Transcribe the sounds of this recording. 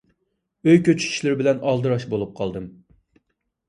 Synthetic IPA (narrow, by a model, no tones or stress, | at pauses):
øjkʲøt͡ʃʰy̥t͡ʃʰʲi̥ʃlɪɾbɪlɛnɑlˠd̪ɨɾɑʃbolˠup̚qʰɑlˠd̪ɨm